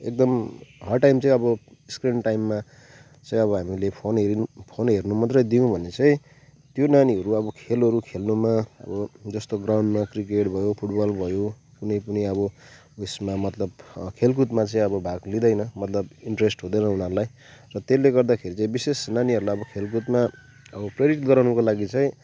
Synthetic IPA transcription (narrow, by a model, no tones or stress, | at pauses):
ḛk̚d̪ʌmɦʌrʈajmt͡sʌĩʌbʌ | skrinʈajmːa | t͡sʌ̃ĩʌβʌɦamilepʰonɦeɾpʰonɦernumʌt̪rʌjd̪iũbʱʌnet͡sʌĩ | t̪jonaniʌɾuʌbʌkʰelʌɾukʰelnumaʌ̰bʌd͡zʌst̪oɡrawɳɖmakrik̬eʈbʱʌjopʰuʈbʌlbʱʌjo | kunʌjpʌniʌbʌ | esmamʌt̪lʌbkʰelk̬ut̪mat͡sʌ̃ĩʌbʌbʱaɡlid̪ʌjnʌmʌt̪lʌbiɳʈresʈɦod̪ʌjnʌɦunʌɾulaj | rʌt̪elːeɡʌrd̪akʰeɾit͡saĩbisesnaniɦʌɾulajʌbʌkʰelkut̪ma | ʌbʌprjɾiʈɡʌɾawnʌkolaɡit͡sʌ̃ĩ